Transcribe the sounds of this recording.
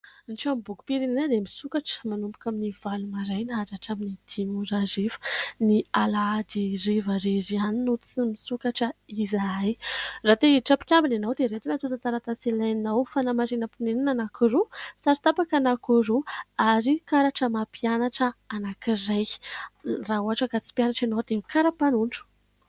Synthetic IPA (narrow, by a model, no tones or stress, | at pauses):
nʈ͡ʂambuku̥piɾininad̪emisukaʈ͡ʂə̥manumpu̥kʲaminivalumaɾajnaaɾaʈ͡ʂaminid̪̥imuɾarivə̥nialaad̪irivaɾezianinut̪t͡simisukaʈ͡ʂəizaajrat̪eiʈ͡ʂapi̥kʲambinanawd̪eɾet̪unat̪ut̪at̪aɾat̪asilajnawfanamaɾinəpuneninanakirusaɾit̪apakanakuɾuaɾikaɾaʈ͡ʂəmapianaʈ͡ʂəanakiraj | raɦuaʈ͡ʂəkat͡si̥pjanaʈ͡ʂenowd̪emikaɾapanuɳʈ͡ʂu̥